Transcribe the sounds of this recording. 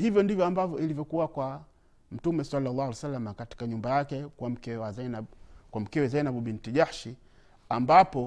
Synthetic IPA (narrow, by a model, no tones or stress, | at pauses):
hivjɔndivjɔambavjɔilivjɔkuwakwa | m̩tumɛsalːalːaalsalːamakati̥kaɲumbajakɛkwam̩kɛwazanakwam̩kɛwɛzajnaɓuɓintiʄahʃi | ambapɔ